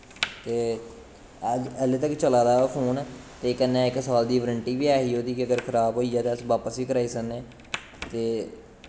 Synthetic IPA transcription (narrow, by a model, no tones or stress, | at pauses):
t̪eː | d͡ʒəlet̪əkt͡ʃəlaːd̪aːfʰoːnt̪eːkənːẽːɪksaːld̪iːʋəɾəɳʈiːbiːaːɦiːɦoːt̪iːkɪəɡəɾkʰəɾaːbɦoːiːaːt̪eːəsʋaːpəsiːkəɾaːiːsəneː | t̪eː